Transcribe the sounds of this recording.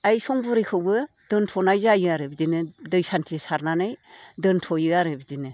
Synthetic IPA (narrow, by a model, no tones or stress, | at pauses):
ajsɔŋbɯɾɯjkʰɯwbɯ | d̥ɯntʰɔnajzajɯaɾɯbdinɯdɯjsantʰisaɾnanɯjdɯntʰɔjɯaɾɯbid͡ʒinɯ